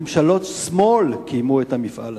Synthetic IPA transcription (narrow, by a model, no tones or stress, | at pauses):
mʃalo̞t̪smolkijmuet̪hamifʔa̰l